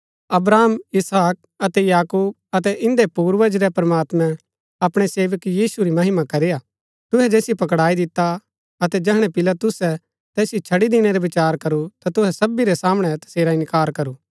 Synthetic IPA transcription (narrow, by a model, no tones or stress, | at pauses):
ɐbɾaːmɪsɦaːk̚ɐt̪ɛjaːkuːb̚ɐt̪ɛʔɪ̃nd̪epuːɾʋəd͡ʒɾɛpɐɾɐmaːt̪mɛ̃ | ɐpɽ̃eseːʋəkjiːsuɾimɐɦɪmakɐɾeja | t̪ʊɦɛd͡ʒɛːsipɐkɽaːid̪ɪt̪ːa | ɐt̪ɛd͡ʒɛɦɽ̃ɛpɪlat̪ʊsːɛ | t̪ɛːsjit͡ʃʰɐɽid̪ɪñeɾɛʋɪt͡ʃaːɾkɐɾut̪at̪ʊɦɛsɐbːiɾɛsaːməɽ̃ɛt̪ɐ̥seːɾaɪ̃nkaːɾkɐɾuː